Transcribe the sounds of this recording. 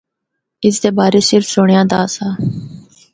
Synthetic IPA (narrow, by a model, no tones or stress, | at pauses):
ɪsd̪eːbaːɾeːsɪɾfsoɳɪjãːd̪aːsaː